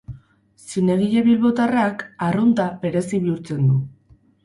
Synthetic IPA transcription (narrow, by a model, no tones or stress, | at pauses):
sineɣiʎe̞βilβot̪arakarunt̪ape̞ɾe̞siβiuɾt͡se̞nd̪u